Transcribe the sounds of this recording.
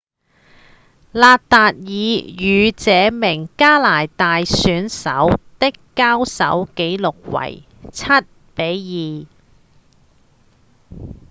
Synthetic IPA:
laː˧t̚t̪aː˨t̚jiː˨˧jyː˨˧t͡sɛː˨˧mɪ˨˩ŋkaː˥laː˨˩jt̪aː˨jsyː˨˥nsɐ˨˥wt̪ɪ˥kːaː˥wsɐ˨˥wke˨˥jlʊ˨k̚wɐ̰˨˩j | t͡sʰɐ˥t̚ | pe˨˥jjiː˨˩

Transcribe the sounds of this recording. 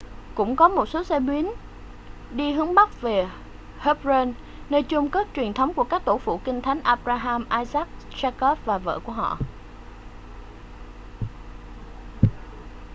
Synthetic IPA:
kʊ̰˧˥ŋ͡mkɔ˨˦mo˨˩t̚so˨˦sɛ˧ɓwi˨˦ən | ɗi˧ɦɨ˨˦əŋɓa˦˥k̚ve˨˩ | hə˦˥p̚ze˧n | nəː˧jt͡ɕʊ˧ŋ͡mkə˦˥t̚t͡ɕwi˨˩ənt̪ʰə˨˦wŋ͡mku˧˩əkaː˦˥k̚t̪o˧˩fṵ˧˨kï˧ŋ̟t̪ʰa˨˦jŋ̟ʔaː˧p̚ɾaː˧ɦaː˧mʔaː˧jzaː˦˥k̚ | zaː˧kɔ˦˥p̚vaː˨˩və̰ː˧˨ku˧˩əɦɔ̰˧˨

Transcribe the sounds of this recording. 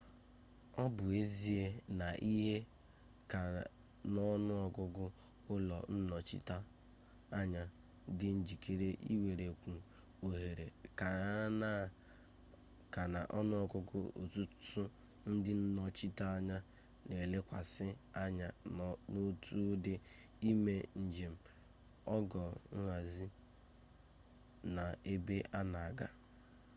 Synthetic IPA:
ɔ˦bʊ˨e˦zi˦e˦na˨ʔi˦ɦe˦ | ka˨ | nɔ˦nʊ˦ɔ˨ɡʊ˦ɡʊ˦ | ʊ˦lɔ˨n̩˦nɔ˨t͡ʃḭ˦ta˦ | a˦ɲa˦ | dɪ˦n̩˦d͡ʒi˨kʰe˨ɾe˦ʔḭ˦we˨ɾe˨kʷu˨ | o˨ɦe˨ɾe˨ka˨˦na˦˨ | ka˨na˨ʔɔ˦nʊ˦ɔ˨kʊ˦kʊ̰˦ʔo̰˨tu˦tʊ˦ | n̩˦dɪ˦n̩˦nɔ˦t͡ʃi˦ta˦a˦ɲa˦ | ne˨le˦kʷa̰˨sɪ˦a˦ɲa˦no˦tʰu˦dɪ˦ | i˦me˦n̩˨d͡ʒe˨m̩˨ | ɔ˦ɡɔ˨ŋ̩ʷ˦a˨zi˦ | na˨e˦be˦ʔa˦na˨a˨ɡa˦

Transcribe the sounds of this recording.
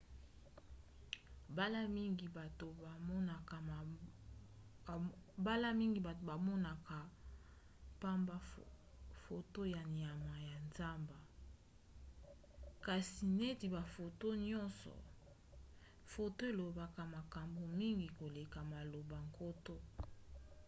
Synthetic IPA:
ba˦la˦mi˦ŋɡi˨ba˨to˨ba˨mɔ˦na˨ka˨ | ba˦la˦mi˦ŋɡi˨ba˨to˨ba˨mɔ˦na˨ka˨ | pa˦mba˦ | fo˨to˦ja˨ni˨a˨ma˨ja˨nza˦mba˨ | ka˨si˨ne˦ti˨ba˨fo˨to˦ɲɔ˦nsɔ̰˨ | fo˨to˦e˨lo˨ba˨ka˨ma˨ka˨mbo˨mi˦ŋɡi˨ko˨le˨ka˨ma˨lo˨ba˨ŋko˦to˦

